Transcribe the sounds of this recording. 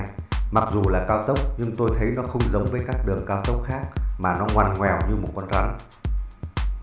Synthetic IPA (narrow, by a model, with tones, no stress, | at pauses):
jma˨˩k̚zu˨˩laː˨˩kaː˧wt̪ə˦˥wk͡p̚ɲɨ˧ŋt̪o˧jt̪ʰə˨˦jnɔ˨˦xə˧wŋ͡mzə˨˦wŋ͡mvəː˨˦jkaː˦˥k̚ɗɨ˨˩əŋkaː˧wt̪ə˦˥wk͡p̚xaː˦˥k̚maː˨˩nɔ˨˦ŋwa˧˩nŋwɛ˨˩wɲɨ˧mo˨˩t̚kwnza˧˩ŋ